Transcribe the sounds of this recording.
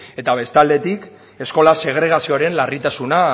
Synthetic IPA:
e̞t̪aβe̞st̪ald̪e̞t̪ik | e̞sko̞lase̞ɣ̞ɾe̞ɣasio̞aɾe̞nlarit̪asuna

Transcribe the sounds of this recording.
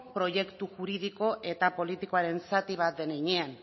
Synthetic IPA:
pɾo̞je̞kt̪uʝuɾið̞iko̞ʔe̞t̪apo̞lit̪iko̞aɾe̞nsat̪iβ̞at̪̚d̪e̞neɲean

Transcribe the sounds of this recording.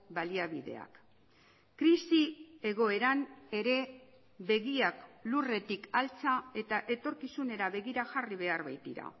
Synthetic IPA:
baliaβiðe̞̰a̰k | kːɾisie̞ɣ̞o̞e̞ɾane̞ɾe̞ | be̞ɣiaklure̞t̪ikalt͡sae̞t̪aʔe̞t̪o̞ɾkisune̞ɾaβe̞ɣiɾaʝariβ̞e̞aɾβajt̪iɾa̰

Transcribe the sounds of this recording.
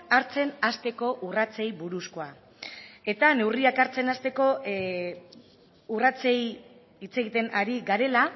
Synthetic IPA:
aɾt͡se̞nast̪e̞ko̞ʔurat͡sejbuɾusko̞a | e̞t̪ane̞wriakaɾt͡se̞nast̪e̞ko̞ | urat͡sej | it͡se̞ɣit̪e̞naɾiɡaɾe̞la

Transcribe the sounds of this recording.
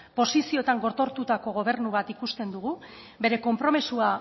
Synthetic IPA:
po̞sisio̞t̪aŋɡo̞ɾt̪o̞ɾt̪ut̪ako̞ɣ̞o̞β̞e̞ɾnuβat̪ikust̪e̞nd̪uɣu | βe̞ɾe̞ko̞mpɾo̞misua

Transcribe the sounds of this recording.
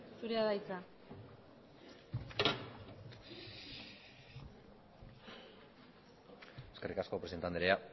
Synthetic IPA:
suɾeaðajt͡sa | eske̞rikasko̞pɾe̞se̞nt̪and̪eɾea

